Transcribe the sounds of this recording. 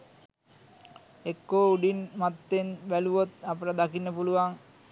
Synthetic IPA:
ekːoːuɖinmat̪ːenbæluʋot̪apəʈad̪akinːəpuluʋaŋ

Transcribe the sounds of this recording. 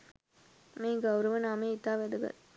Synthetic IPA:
meːɡɐwɾɐʋɐnaːmeːit̪ːaːʋed̪uɡɐ̰t̪

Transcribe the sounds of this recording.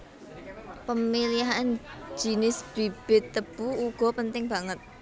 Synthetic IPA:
pəmiliɦaan̥ʒ̥i̤nɪsb̥i̤b̥ɪ̤t̪ːəb̥uuɡ̥ɔ̤pənt̪ɪŋb̥aŋət̪̚

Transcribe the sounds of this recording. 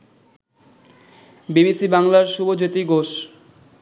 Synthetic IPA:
bibisibaŋlaɾʃubod͡ʑot̪iɡoʃ

